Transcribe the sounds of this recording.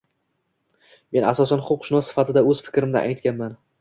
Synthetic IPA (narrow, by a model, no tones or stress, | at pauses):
me̞nasɒsanχʊqʃɪnɒsːɪ̥fat̪ʰɪd̪aɵz̥fɪ̥kʲɾɪmd̪a̰ʔajt̪kʲanman